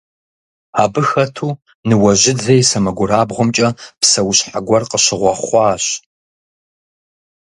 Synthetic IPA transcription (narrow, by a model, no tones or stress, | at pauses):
aːbɨxɐtʰuː | nɨwɐʒʑɪdzɐjsɐmɐɡʷʊɾaːbʁʷʊmt͡ʃʼɐpsɐwɕħaɡʷɔrqəɕɪʁʷɔχʷɑːɕ